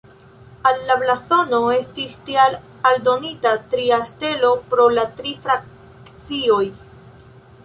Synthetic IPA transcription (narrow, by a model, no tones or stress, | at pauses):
alːablaθo̞no̞e̞stistial | aldo̞nitatɾiaste̞lo̞pɾo̞latɾifɾak̚ | kt͡sio̞j